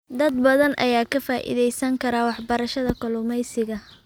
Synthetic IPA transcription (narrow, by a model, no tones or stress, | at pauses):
d̪ɐd̪bɐðɐnʔɐ̰jaːkʰɐfaːʔɪ̰ðɛjsɐŋkʰɐɾaːwɑħbɐɾɐʃɐðɐkʰɔlʊmɛjsɪɣɐ